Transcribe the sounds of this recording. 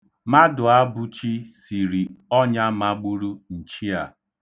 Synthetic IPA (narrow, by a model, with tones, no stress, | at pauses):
ma˦dʊ˨a˦bʊ˦t͡ʃi˦si˨ɾi˨ɔ˦ɲa˦ma˦ɡ͡bu˦ɾu˦n̩˨t͡ʃi˦a˨